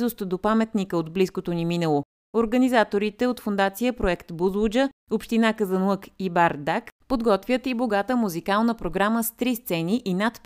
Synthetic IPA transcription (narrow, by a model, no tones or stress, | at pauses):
zʊst̪d̪opamɛt̪nikəod̪bliskot̪oniminəlˠo | oɾɡənizat̪oɾit̪ɛot̪fond̪at̪sijəpɾoɛkt̪buzud͡ʒəopʃt̪inakəzənˠəkibaɾd̪akpod̪ɡɔt̪vʲjət̪iboɡat̪əmuzikalˠnəpɾoɡɾaməst̪ɾist̪sɛniʔinat̪